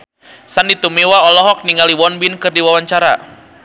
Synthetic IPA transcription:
sandit̪umewaɔlɔɦɔk̚niŋaliwɔnbinkɨrdiwawaɲt͡ʃaɾa̰

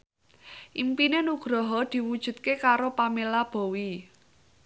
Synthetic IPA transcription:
ʔimpinenuɡ̥ɾɔɦɔd̪̥i̤wud̥ʒ̥ṳt̪̚kekaɾopamelab̥o̤wi

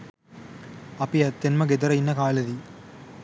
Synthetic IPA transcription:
ɐpiɐt̪ːɐnmɐɡed̪ɐɾɐinːɐkaːlɐd̪i

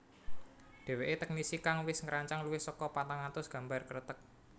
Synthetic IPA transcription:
ɖ̪̥e̤weʔet̪ɛk̚nisikaŋwɪsŋəɾaɲt͡ʃaŋluwɪhsɔkɔpat̪aŋant̪ʊsɡ̥ä̤mbarkəɾət̪ək̚

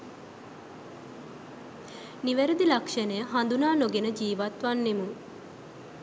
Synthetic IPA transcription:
niʋæɾəd̪ilakʂənəjəɦand̪unaːnoɡenəd͡ʒiːʋat̪ʋanːemuŋ

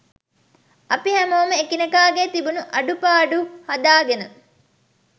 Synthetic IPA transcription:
ɐpiɦæmoːməekinɐkaːɡet̪ibunuʔɐɖupaːɖuhɐd̪aːɡenə

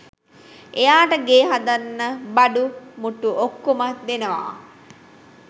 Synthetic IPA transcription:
ejaːʈəɡeːɦad̪anːəbaɖumuʈuokːomat̪̚d̪enəʋa̰ː

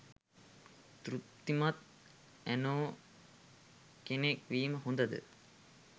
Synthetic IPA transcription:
t̪ɾut̪ːimat̪̚ | ænoː | kenekʋiːməɦond̪əd̪ə̰

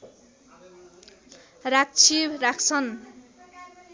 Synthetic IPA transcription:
rak̚t͡sʰibɾakt͡sʰʌn

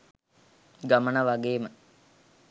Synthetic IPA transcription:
ɡamənəʋaɡeːmə

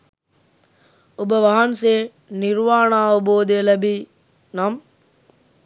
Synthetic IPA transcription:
ʊbəʋɐɦənseː | nɪɾʋaːɽ̃ãːʊboːd̪elɐbi | nam

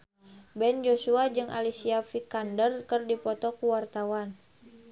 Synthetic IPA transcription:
bɛnd͡ʒosuad͡ʒɨŋʔa̰lisiafikandərkərdipɔt̪ɔkuwart̪awan

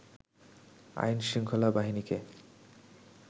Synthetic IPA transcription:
a̰jnʃiŋkʰolabaɦinike

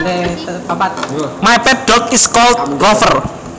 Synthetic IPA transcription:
apat̪̚majpɛt̚ɖ̥ɔkiskɔlt̪̚ɔfər

